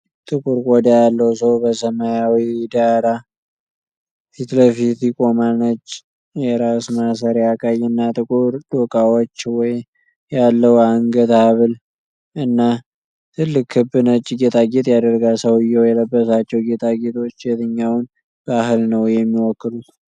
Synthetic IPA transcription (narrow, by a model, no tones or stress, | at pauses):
t̪ʼɨkʼuɾɡʼɔd̪ajalːəwsəwbəsəmajawid̪aɾa | fit̪ləfit̪jɪkʼo̞manət͡ʃʼː | jɛɾasmas̬əɾjakʼajɨnːat̪ʼɨkʼuɾd̪̥okʼawot͡ʃːwɔj | jalːəwaŋɡət̪aβɨl | ɨnːa | t̪ʰɨlːɨkhɨbːɨnət͡ʃʼːɡet̪ʰʼaɡet̪ʼjad̪əɾɡasəwɨjːɛwjɛləbːəsat͡ʃːɛwɡet̪ʰʼaɡet̪ʰo̞t͡ʃːjɛt̪ʰəɲːawn | b̥ahɨlnəwjɛmːiwɔkːɨlut̪